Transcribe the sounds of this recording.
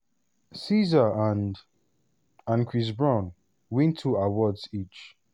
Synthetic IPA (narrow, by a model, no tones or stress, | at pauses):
sizəãn | ãnkʰɹis̬bɹãʊ̃n | wɛ̃ntʰːuawɔdsit͡ʃ